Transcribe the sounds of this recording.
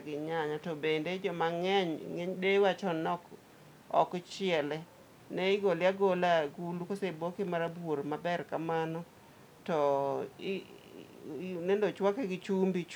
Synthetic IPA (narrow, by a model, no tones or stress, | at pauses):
ɡɪɲaɲatɔbended͡ʒɔmaŋɛɲŋeɲdewat͡ʃɔnɔk | ɔ̰kt͡ʃɪɛlɛ | nɛɪɡolɪaɡolaɡulukosebokɪmaɾabwoɾmabɛrkamanɔ | tɔ | nendot͡ʃwakeɡɪt͡ʃumbit͡ʃ